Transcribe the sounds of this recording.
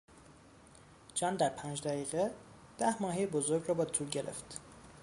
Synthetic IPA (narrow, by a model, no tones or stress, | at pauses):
d͡ʒɒːnd̪æɾpʰæːnd͡ʒd̪æɣiːɣe | d̪̥æhmɒːɦejebozo̞ɾɡrɒːbɒd̪t̪ʰuːlɟe̞ɾḛft̪